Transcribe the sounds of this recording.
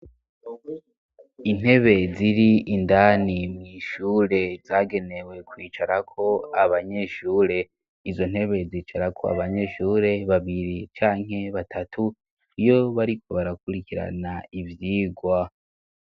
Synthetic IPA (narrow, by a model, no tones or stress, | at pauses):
in̥he̞βe̞ziɾiʔindaːnimŋiːʃuːɾe̞zaːɡe̞ne̞we̞kwiːt͡ʃaɾakʰo̞aβaɲe̞ʃuːɾe̞ | izo̞n̥he̞βe̞ziːt͡ʃaɾakʰo̞̰a̰βaɲe̞ʃuːɾe̞βaβiɾit͡ʃaːŋ̥ɦe̞βatʰatʰu | ijo̞βaɾikʰo̞βaɾakuɾikiɾa̰naivjiːɡwa